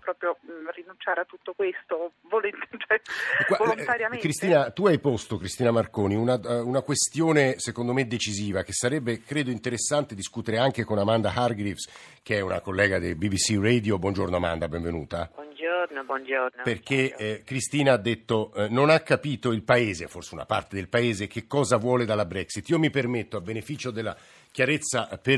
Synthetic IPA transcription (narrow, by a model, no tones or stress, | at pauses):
pɾɔːpɾjorinːunt͡ʃaːɾeat̪ːut̪ːokwest̪o | volent̪et͡ʃɛkwavoont̪aɾjakɾist̪iːnat̪uajpost̪okɾist̪iːnamarkoːniunaunakwest̪joːnesekond̪omed̪ːet͡ʃiziːvak̟esːaɾɛbːekɾeːd̪oint̪eɾesːant̪ed̪iskuːt̪eɾeaŋkekonamand̪aharɡɾifs | k̟eɛuna̰kolːɛːɡad̪ebibisired̪jobwɔnd͡ʒornoama̰nd̪abɛ̃ɱvenṵːt̪abnd͡ʒoɾnnd͡ʒoperk̟ːekɾist̪iːnaad̪ːet̪ːononakːapiːt̪oilpaeːzeforseuna̰pa̰rt̪ed̪elpaeːzekekːɔːzavwɔːled̪alabɾɛksit̪ːiːomipermet̪ːoabːenefiːt͡ʃod̪elːa̰ | k̟jaɾet̪sːape